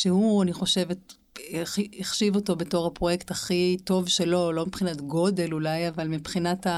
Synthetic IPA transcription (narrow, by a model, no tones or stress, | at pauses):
ʃehuaniχo̞ʃe̞vet | iiχʃivo̞to̞beto̞ʁhapʁo̞jektaχito̞vʃelo̞lo̞mipχinatɡo̞de̞lulajavalmipχinata